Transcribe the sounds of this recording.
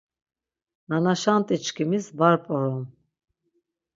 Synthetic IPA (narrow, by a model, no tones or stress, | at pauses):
nanaʃant̪ʼit͡ʃkʰimisbaɾpʼɔɾɔm